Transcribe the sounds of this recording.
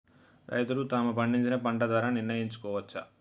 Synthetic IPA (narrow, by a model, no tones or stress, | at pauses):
ɾɐ̰jt̪ulut̪aːmupɐɳɖiɲt͡ʃinɐpɐɳɖɐd̪aːɾaniɾnɐjiɲt͡ʃu̥kɔːʋɐt͡ʃːɐ̰